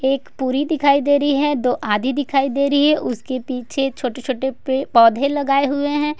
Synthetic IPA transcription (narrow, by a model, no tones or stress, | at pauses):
eːkpuːɾid̪ɪkʰaːid̪eːɾəiɦɛd̪oːʔaːd̪ʱid̪ɪkʰaːid̪eːɾəiɦɛʔʊskepiːt͡ʃʰet͡ʃʰoːʈet͡ʃʰoːʈeepɔːd̪ʱẽlɐɡaːeɦʊeɦɛ̃ː